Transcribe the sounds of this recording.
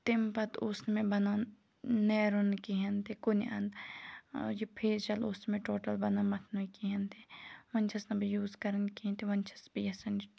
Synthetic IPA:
t̪ɪmpɐt̪osnmẽbɐnan | neːɾonkiɦɐnt̪ekoniʔɐ̰nd̪ | jipʰeːt͡ʃɐloːsnmẽʈoːʈɐlbɐnamɐt̪ʰnuikiɦɐnt̪ʰeʋɐnʲt͡ʃʰɐsnɐbijuːzkɐɾənkiɦint̪iʋɐnt͡ʃʰɐ̥sbijɐsɐn

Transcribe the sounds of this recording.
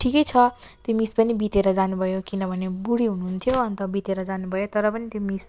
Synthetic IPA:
ʈʰikʌjt͡sʰʌt̪jomispʌnibit̪eɾʌd͡zanubʱʌjokinʌbʱʌnebuɽiɦunuɦunt̪ʰjoʌnt̪ʌbit̪eɾʌd͡zanubʱʌjot̪ʌɾʌpʌnit̪jomis

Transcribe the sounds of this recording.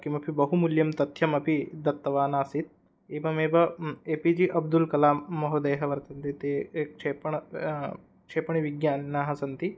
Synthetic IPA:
kimɐpʰibɐɦumuljɐmt̪ɐt̪ʰjɐmɐpʰid̪ɐt̪ːɐʋaːnaːsit̪̚ | eːbɐmeːbɐeːpid͡ʒiʔɐb̚d̪ulkɐlaːmːɐɦod̪ɐjɦɐʋɐɾt̪ɐnt̪it̪eːkt͡ʃʰeːpɐɳɐ | kʂeːpɐɳiʋiɡjaːnnːaːɦɐsɐnt̪i

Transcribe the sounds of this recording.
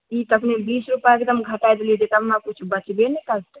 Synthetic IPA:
it̪əpnebisɾupaekd̪əmɡʱəʈajd̪elid͡ʒ̪et̪əpnakut͡ʃʰbət͡ʃbenɛkəlt̪ɛ

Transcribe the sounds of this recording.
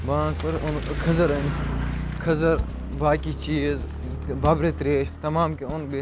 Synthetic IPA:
bãːkpɐɾʊnkʰɐzɐɾɐnikʰɐzɐɾ | baːkit͡ʃiːz | bɐːbɾet̪ɾeːʃt̪ɐmaːmkeʊnbe

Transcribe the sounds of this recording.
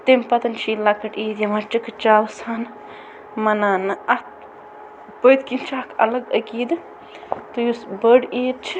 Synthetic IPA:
t̪empɐt̪ɐnt͡ʃʰiːlakɐʈiːd̪jɐmɐɾt͡ʃikɨt͡ʃaːʋɐsaːn | mɐnaːnɨɐt̪ | pəjt̪kint͡ʃʰakʰɐ̰lɐɡɐkiːd̪ɨ | t̪ujusbəɖiːd̪̚t͡ʃʰi̥

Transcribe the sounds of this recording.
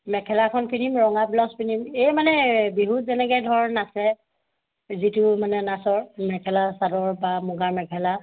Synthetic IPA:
mɛkʰɛlakʰɔnpinimɹɔŋablɔspinimejmanɛbiɦutzɛnɛɡɛjdʱɔɹnasɛ | zitʊmanɛnasɔɹmɛkʰɛlasadɔɹbamuɡamɛkʰɛla

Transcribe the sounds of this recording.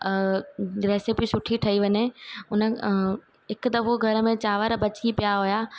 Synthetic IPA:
ɾeːsɪpisʊʈʰiʈʰɐiʋɐɲeʊnə̆ | ɦɪkd̪ɐfoɡʱɐɾə̆mẽt͡ɕaːʋəɾbɐt͡ɕipijaɦujaː

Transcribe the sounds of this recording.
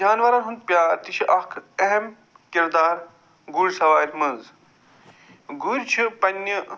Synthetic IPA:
d͡ʒaːnʋɐɾaːnɦunt̪̚pʲjaːt̪iʃʰiʔɐkʰɛɦem | kiɾd̪aːɾ | ɡuɾʲsɐʋaːɾʲmɐnz | ɡuɾʲt͡ʃʰipɐnːə

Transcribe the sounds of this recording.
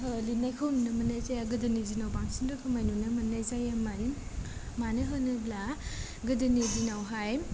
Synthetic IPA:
ɦɯlinajkʰɔmnɐmɐnajzajaɡɯdɯnizinawbaŋsindɯkʰɯmajnonɐmɐnajzajaman | manɯɦɯnɯbla | ɡɯdɯnizinawɦaj

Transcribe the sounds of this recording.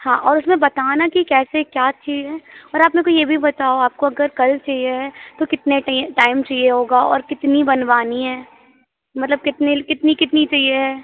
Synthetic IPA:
hãːʔɔːɾʊsmẽbɐt̪aːnakikɛːsekjaːt͡ʃʃʰiːzɦɛːɔːɾaːpnẽkojebʱibɐt̪aːoaːp̚koɐɡəɾkɐlt͡ʃaɦieɦɛt̪okɪt̪neʈaːɪmt͡ʃɐɦieɦoːɡaɔ̰ːɾkɪt̪nibɐnʋaːniɦɛː | mɐt̪ləb̚kɪt̪nekɪt̪nikɪt̪nit͡ʃɐieɦɛː

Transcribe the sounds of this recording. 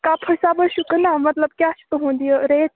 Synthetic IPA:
kapʰəjsabəʃukənamət̪ləb̚kjasu̥t̪əɦõnd̪ijəɾet͡ʃ

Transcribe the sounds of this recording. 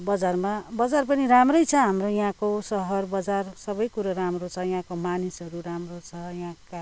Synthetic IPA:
bʌd͡zarmabʌd͡zarpʌniramrʌjt͡sʰʌɦamrojɦãkosʌɦʌrbʌd͡zarsʌbʌjkuɾaramrot͡sʰʌjɦãkomanisʌɾuɾamrot͡sʰʌjɦãka

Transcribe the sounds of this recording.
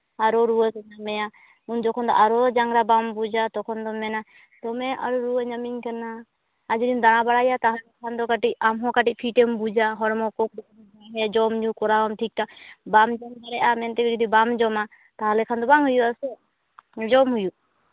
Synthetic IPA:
aɾɔɾuwətɛɲamɛja | und͡ʒɔkʰɔnd̪ɔ̰ʔaɾɔd͡ʒaŋɡɾabambud͡ʒat̪ɔkʰɔnd̪ɔmɛna | t̪ɔmɛa̰ɾuɾuwəɲamiɲkanaː | d͡ʒɔdind̪aɽ̃abaɽajat̪aɦalɛkʰand̪ɔkaʈic̚amɦɔ̃kaʈic̚pʰiʈɛmbud͡ʒaɦɔɾmɔkɔk̚dɔ | aɦɛjad͡ʒɔmd͡ʒukɔɾabamʈʰik̚t̪abamd͡ʒɔmkaɾɛʔamɛnt̪ɛɡɔd͡ʒɔd̪ibamd͡ʒɔma | t̪aɦalɛkʰand̪ɔbaŋɦujuʔasɛ | d͡ʒɔmɦuju

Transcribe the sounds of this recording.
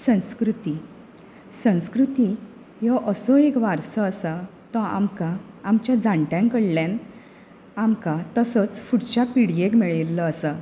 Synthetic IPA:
sə̃w̃skɾut̪i | sə̃w̃skɾut̪i | jɔʔəsɔekʋaɾsəəsət̪ɔ̃a̰mkaː | mt͡ɕjad͡zãɳʈjãŋkəɽljan | amkat̪əsɔt͡sfuɽt͡ɕapiɽjekmeɭilːəːsə

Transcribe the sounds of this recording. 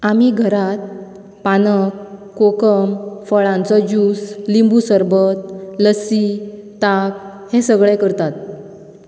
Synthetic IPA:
amiɡʱəɾat̪̚ | panəkː | okəmfəɭãnt͡sɔd͡ʑuːslimbusəɾbət̪̚ləsit̪akhẽsəɡɭɛkəɾt̪at̪̚

